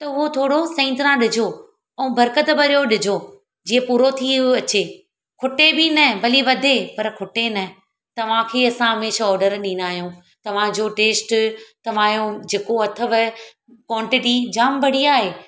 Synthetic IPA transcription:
t̪ɐʊɦot̪ʰoːɽosɐ̃ːnt̪ɾãɗɪd͡ʑʱo | ɛ̃ũbʱɐɾkət̪bɐɾijoɗɪd͡ʑʱo | d͡ʑiːə̃puːɾot̪ʰiɐt͡ɕe | kʰʊʈebinɐbɐliʋɐd̪ʱepɐɾkʰʊʈenɐ | t̪ɐʋ̤ãkʰeːɐsãɦɐmeːʃɔːɾɖəɾɗĩːnaːɦjũ | t̪ɐʋ̤ãd͡ʑoʈeːsʈt̪ɐʋ̤aːjũd͡ʑeːkoɐt̪ʰəʋɪ | kwɔ̃ːɳʈɪʈid͡ʑaːmbʱɐɽ̤iaːɦeː

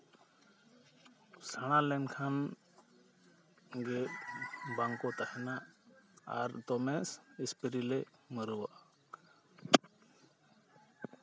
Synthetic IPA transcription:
saɽ̃alɛnkʰan | ɡɛ | baŋkɔt̪ahɛnaʔa̰ɾt̪ɔmɛsispiɾilɛməɾuwaʔa

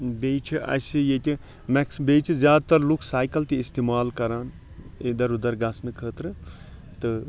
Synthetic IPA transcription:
beːt͡ʃʰiʔɐ̰sijet̪ʲi | mɛksbeːt͡ʃʰizjaːd̪̚t̪ɐɾlukʰsaːjkɐlt̪iːst̪eːmaːlkɐɾaːn | ed̪ɐɾud̪ɐɾɡɐsnɨkʰəːt̪ɾɨ | t̪ɨ

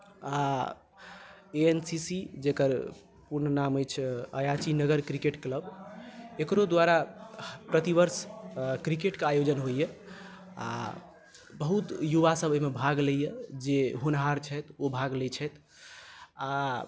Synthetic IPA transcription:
a | eensisid͡ʒekəɾ | puɾnənaməjt͡ʃʰəjat͡ʃinəɡəɾkɾikeʈkləb | ekɾod̪waɾapɾət̪ibəɾskɾikeʈkeajod͡ʒənɦojjɛ | a̰ | bəɦut̪juβasəbʱəmebʱaɡləjɛd͡ʒeɦunɦaɾt͡ʃʰət̪obʱaɡlɛt͡ʃʰɛt̪ | a

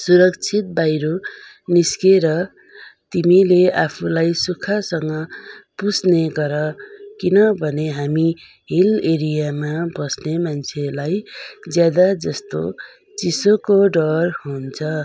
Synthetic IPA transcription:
suɾʌkt͡sʰit̪̚bajɾo | niskeɾʌ | t̪imileapʰulajsukʰasʌŋɡʌpusneɡʌɾʌkinʌbʱʌneɦami | ɦileɾijamabʌsnemant͡sʰelajd͡zjad̪ad͡zʌst̪o̰ | t͡sisokoɖʌrɦunt͡sʰʌ

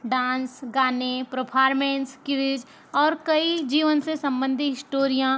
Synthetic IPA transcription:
ɖãːnsɡaːnepɾopʰaːɾmẽːnskɪɾɪd͡ʒ | ɔːɾkɐid͡ʒiːʋənsesɐ̃mbə̃nd̪ʱiɦɪsʈoːɾijã

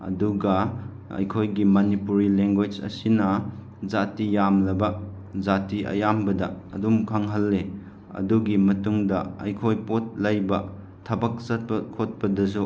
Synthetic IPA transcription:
ɐ̰duɡɐ | ɐ̰jkʰojɡimɐnipuɾileŋɡet͡ʃɐ̰sinɐ | zatijamlɐbɐ | zatiʔɐ̰jambɐdɐɐ̰dumkʰaŋɦɐlːe | ɐ̰duɡimɐtuŋdɐɐ̰jkʰojpot̚lɐjbɐ | tʰɐbɐk̚sɐt̚pkʰot̚pɐdɐs̬u

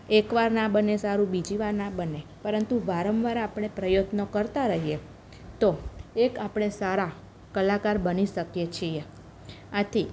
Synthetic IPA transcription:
ekʋaɾnabənesaɾũbid͡ʒiʋaɾnabənepəɾənt̪uʋaɾəmʋaɾaapɳ̃epɾəjot̪nəkəɾt̪aɾəɦije | t̪oekapɽ̃esaɾa | kəlakaɾbəniʃəkjet͡ʃʰie | at̪ʰi

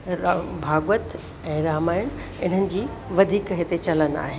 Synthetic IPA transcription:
bʱaːɡwət̪ | ɛ̃ːɾaːmaːɪɽ̃ | ɪn̤ənɪ̆d͡ʑiː | ʋɐd̪ʱiːkɦɪt̪et͡ɕɐləna̰ːɦe

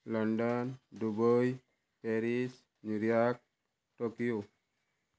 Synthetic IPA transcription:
ləɳɖənɖubəj | peɾis | nuɾjak̚ | ʈokijo

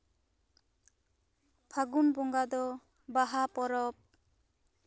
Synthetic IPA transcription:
pʰaɡunbɔŋɡad̪ɔ | baɦapɔɾɔp̚

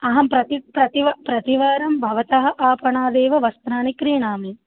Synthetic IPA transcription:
ɐɦɐmpɾɐt̪ipɾɐt̪iʋɐpɾɐt̪iʋɐːɾɐmbʱɐʋɐt̪ɐɦɐ̆ʔaːpɐɳaːd̪eːʋɐʋɐst̪naːnikɾiːɳaːmi

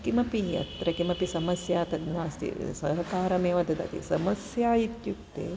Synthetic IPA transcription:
kimɐpijɐ̰t̪ɾɐkimɐpisɐmɐsjaːt̪ɐd̪naːst̪ḭsɐɦɐkaːɾɐmeːʋɐd̪ʱɐd̪ɐ̰t̪ḭsɐmɐsjaːjit̪jukt̪ḛː

